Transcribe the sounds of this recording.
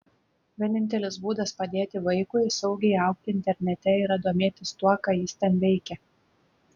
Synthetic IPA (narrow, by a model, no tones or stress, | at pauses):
ʋʲiɛnʲɪnʲt̪ʲɛlʲɪsbuːd̪ɐspɐd̪ʲeːt̪ʲɪʋɐɪkʊɪsɐʊɡʲɛɪɐˑʊkt̪ʲɪɪnʲt̪ʲɛɾʲnʲɛt̪ʲɛɪɾɐd̪uɔmʲeːt̪ʲɪst̪uɔkɑːjɪst̪ʲɛnʋʲɛɪkʲɛ